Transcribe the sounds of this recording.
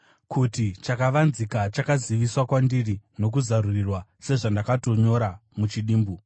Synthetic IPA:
kʰutit͡ʃakaʋanzikat͡ʃakaziʋiswakwandirino̞k̬uzarurirwase̞ʐandakato̞ɲo̞ɾamut͡ʃiɗiːmbu

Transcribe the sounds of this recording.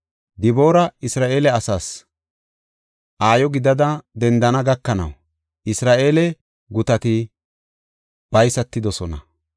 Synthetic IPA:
d̪ɪbo̞ːɾɐɪsɾaːʔeːlɛɐsaːs | ʔaːjɔɡɪd̪ɐd̪ɐd̪ɛnd̪ɐnɐɡɐkːɐnɐ̰w | ʔɪsɾaːʔe̞ːlɛ | ɡʊt̪ɐt̪ɪ | b̥ɐjsɐt̪ːɪd̪ɔsɔnɐ̰

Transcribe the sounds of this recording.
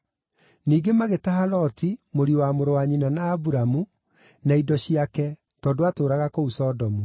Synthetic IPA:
niːɡemaɣetaɦalɔtimoɾiwamoɾowaɲinanaːbuɾamu | naidɔɕiakɛ | tɔːdoatoːɾaɣakousɔdɔmu

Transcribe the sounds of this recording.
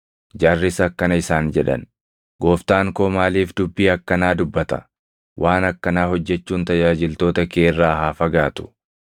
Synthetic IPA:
d͡ʒaːrːɪsɐkːɐnɐɪsaːnd͡ʒɛᶑɐ̰n | ɡo̞ːft̪aːŋkoːmaːliːfd̪ʊbːiːɐkːɐnaːd̪ʊbːɐt̪ɐ̰ | wʔaːnɐkːɐnaːɦɔd͡ʒːɛt͡ʃːuːnt̪ɐd͡ʒaːd͡ʒɪlt̪o̞ːt̪ɐkeːrːaːhaːfɐɡaːt̪ʊ̥

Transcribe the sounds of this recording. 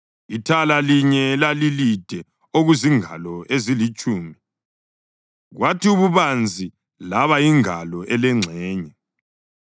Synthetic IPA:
itʰalaliɲɛlalilid̥ʱɛ | oɣuziŋa̰lɔezilit͡ʃʼuːmi | ɣwatʰiuβuβand͡zʱi | laβaiŋalɔʔɛlɛŋ͡ǀʱɛːɲɛ

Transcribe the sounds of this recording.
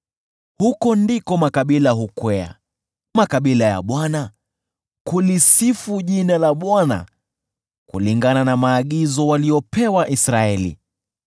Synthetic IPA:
hukɔndikɔmakaɓilaɦukwɛa̰ | makaɓilaja̰ɓwana | kulisifuʄinalaɓwana̰ | kṵliŋɡananamaːɠizɔwaliɔpɛwaʔisɾaɛlḭ

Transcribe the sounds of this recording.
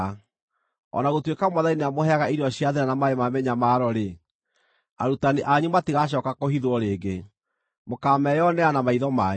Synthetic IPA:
ɔ̰naɣotwekamwaðaineamoɦɛaɣaiɾiɔɕijaðeɾanamaemamɛɲamaːɾɔɾe | a̰ɾutaneʔaɲumatiɣaɕ̬ɔːkakohiðwɔɾeːɡe | mokaːmɛjɔnɛanamaiðɔma

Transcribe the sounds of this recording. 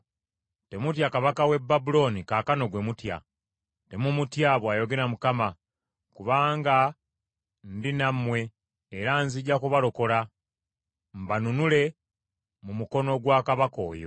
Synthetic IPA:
te̞mutjakaβakawe̞bːabulo̞nikaːkano̞ɡwe̞mutja̰ | te̞mumutjaβwaːjo̞ɡe̞ɾamukama | kuβaːŋɡa | ndinamːwe̞ː | ɾanziɟːakuβalo̞ko̞la | mbanunule̞ | mumuko̞no̞ɡwaːkaβako̞̰ːjo̞̰

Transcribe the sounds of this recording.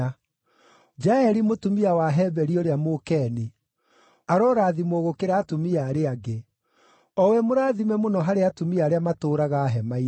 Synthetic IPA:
d͡ʒaɛɾimotumiawaɦɛbɛɾioɾeamokɛni | aɾɔɾaðimɔɣokeɾaːtomiaɾeaɡe | ɔwɛmoɾaðimɛmonɔɦaɾeatomiaːɾeamatoːɾaɣaɦɛmai

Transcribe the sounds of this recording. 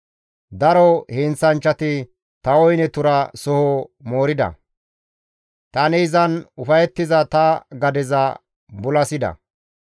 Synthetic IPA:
d̪ɐɾɔhɪnt͡sːɐnt͡ʃːɐt̪ɪ | t̪ɐwɔjnɛt̪ʊɾɐsɔhɔmoːɾɪd̪ɐ̰ | t̪ɐnɪɪzɐnʊfɐjɛt̪ːɪzɐt̪ɐɡɐd̪ɛzɐ | bʊlɐsɪd̪ɐ̰

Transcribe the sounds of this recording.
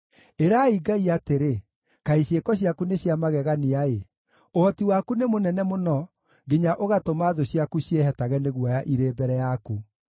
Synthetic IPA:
eɾaiɡaiateɾe | kaiɕjekɔɕ̬iakuneɕjamaɣɛɣaniae | ohɔtiwakunemonɛnɛmonɔ | ɡeɲaʔoɣatomaðoɕjakuɕiehɛtaɣɛneɣwajaʔiɾeːbɛɾɛjaku

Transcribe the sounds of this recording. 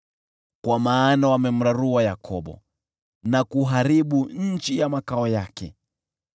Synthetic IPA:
kwamaːnawamɛm̩ɾaɾuwajakʰɔɓɔ̰ | nakuɦaɾiɓuɲ̩t͡ʃijamakaɔjakɛ̰

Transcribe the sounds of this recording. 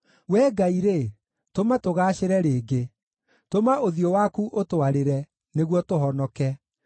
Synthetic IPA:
wɛːɡaiɾe | tomatoɣaːɕeɾɛɾeːɡe | tomaoðijɔwakuʔotowaɾeɾɛ | neɣwɔtoɦɔnɔkɛ

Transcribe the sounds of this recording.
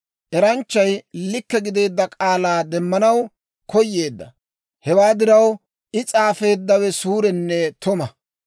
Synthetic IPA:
ʔɛɾɐnt͡ʃːɐjlɪkːɛɡɪd̪e̞ːd̪ːɐkʼaːlaːd̪ɛmːɐnɐw | kʰɔjːe̞ːd̪ːɐ̰ | hɛwaːd̪ɪɾɐw | ʔɪt͡sʼaːfe̞ːd̪ːɐwɛsuːɾɛnːɛt̪ʊmɐ

